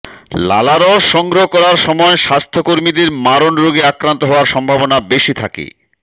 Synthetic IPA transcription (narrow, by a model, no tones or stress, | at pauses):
la̰laɾɔʃʃːɔŋɡɾoɦokɔɾaɾʃɔmɔeʃast̪ʰokoɾmid̪eɾmaɾonɾoɡeakɾant̪oɦɔoaɾʃɔmbʱabonabeʃit̪ʰakḛ